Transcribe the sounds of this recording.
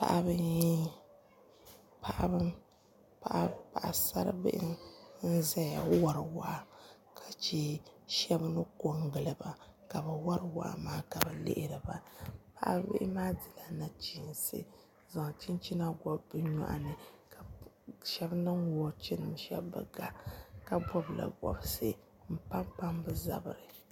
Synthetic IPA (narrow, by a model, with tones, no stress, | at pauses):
pa̰˨ʔa˦bɨ˦ji˦ | pʰa˨ʔa̰˦bɨ˦m | pa˨ʔa˦pa˨ʔa˨sa˦ɾɨ̰˦bɪ̰˦ʔɪ̰˦n̩˦zɛ˦ja˨˦wa˦ɾɨ˨wa˨ʔa˨ | kʰa˨t͡ʃe˦ʃɛ˦bnɨ˦ko˨ŋɡɨ˨lɨ˨ba˨ka˨bɨ˨wa˦ɾɨ˦wa̰˨ʔa̰˨maː˦ka˨bɛ˨lɪ̰˦˨ʔɪ˨ɾɨ˨ba˨pa˦ʔa̰˦bɪ̰˦ʔɪ˦maː˦dɨ˨la˨na˨t͡ʃi˨nsɨ̰˦ | za˨ŋ˨t͡ʃi˦nt͡ʃi˦na˦ɡɔ˦bbɨ˦ɲɔ̰˦˨ʔa̰˨nɨ˨ka˨ | ʃɛ˦bnɨ˦ŋwɔ˦t͡ʃi˦nɨ˨mʃɛ̰˦bːɨ̰˦ɡa˦˨ka˨bɔ˦bla̰˨ɡɔ̰˨bɨ˦sɨ˦ | m̩˦pa˦mpa˦mbɨ˦za̰˨bɨ˨ɾɨ˨